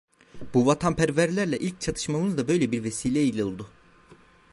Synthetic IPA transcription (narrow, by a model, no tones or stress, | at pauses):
buvat̪ʰanpʰæɾvæɾlʲæɾlʲɛʔilʲc̚t͡ʃʰat̪ʰɯ̥ʃmamɯzd̪abø̞jlʲɛbiɾve̞siːlʲɛilʲɛolˠd̪ʊ